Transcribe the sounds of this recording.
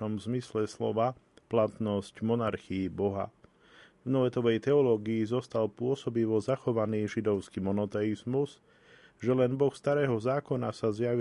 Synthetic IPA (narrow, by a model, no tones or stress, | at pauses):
ɔmzmislɛslɔ̰ʋa | plat̪nɔscmɔnaɾxiibɔɦa̰ | vnɔʋɛt̪ɔʋɛjt̪ɛɔlɔːɡiizɔst̪alpʊɔsɔbiʋɔzaxɔʋaniːʒid̪ɔʊskimɔnɔt̪ɛizmuz | ʒɛlɛnbɔxst̪aɾɛːɦɔzaːkɔna̰sazjaʋi